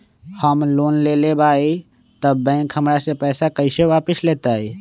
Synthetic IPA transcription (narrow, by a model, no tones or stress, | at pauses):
həmloːnlelebʱaːi | t̪əbːɛ̃ːkɦəmɾasepɛːsakəɪseʋaːpəsleːt̪aɦeː